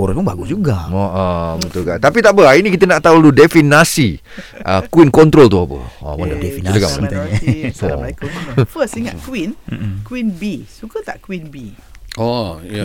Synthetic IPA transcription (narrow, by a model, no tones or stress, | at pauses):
oɾaspʊnbaɡʊsd͡ʒuɡaɔʔɔbət̪ulkat̪apit̪aʔbəainikit̪ənaʔt̪auludefinasi | ʔəkwinkɔnt̪ɾolt̪uapə̰ɔ̰məndaefinləkamə̰naoakəfəsiŋat̪kwin̩kwinbisukət̪aʔkwinbiɔja